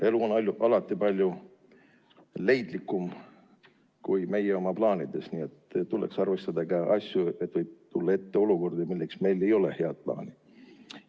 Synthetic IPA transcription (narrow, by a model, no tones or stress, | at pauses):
e̞luonɑlʲjuʔɑlɑt̪ːˑipɑlʲju | le̞jd̪̥likːˑum | kujme̞jeo̞mɑplɑːnid̪̥e̞snie̞t̪ːt̪ːule̞ksɑrve̞st̪ɑd̪̥ɑkɑʔɑsʲjue̞t̪vɯjb̥̚t̪ulːɑe̞t̪ːe̞o̞luko̞rd̪̥imilːe̞ksme̞jle̞jo̞le̞̰he̞ɑd̪̥̚plɑ̰ːni̥